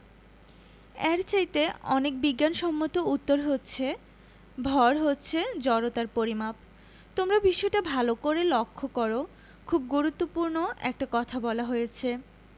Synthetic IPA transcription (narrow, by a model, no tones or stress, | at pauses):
ɛɾt͡ɕajt̪eɔnek̚biɡːanʃɔmːot̪out̪ːoɾɦotːɕʰe | bʱɔɾɦotːɕʰed͡ʑɔɾot̪aɾpoɾimap̚ | t̪omɾabiʃɔeʈabʱalokoɾelokʰːokoɾo | kʰub̚ɡuɾut̪ːopuɾnoɛ̰k̚ʈakɔt̪ʰabɔlaɦojet͡ɕʰe